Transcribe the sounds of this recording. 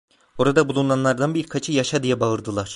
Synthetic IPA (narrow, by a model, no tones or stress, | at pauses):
o̞ɾad̪abulˠunanlˠaɾd̪anbiɾkʰat͡ʃʰɯjaʃad̪ijɛbaɯɾd̪ɯlˠaɾ̥